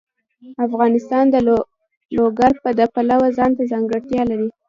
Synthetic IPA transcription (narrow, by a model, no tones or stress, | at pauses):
afɣɑnɪst̪ɑnd̪ə | loɡaɾpəd̪əpalawazɑnt̪azɑŋɡəɽt̪jɑlaɾi